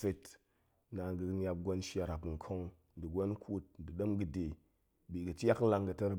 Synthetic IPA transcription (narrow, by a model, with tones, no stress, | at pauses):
fe˧t | na˨ŋ˦ɡɨ˧ɲʲa˧p̚ɡʷo˧nʃja˧ɾa˨pŋ̩˨kʰo˦ŋ | n̩˨di˨ɡʷo˦nkʰu˦t̚n̩˨dɨ˨ɗo˦mɡɨ˧de˨ | bi˨ɡɨ˨t͡ʃʲa˦kla˧ŋɡɨ˧tɐ˦ɾ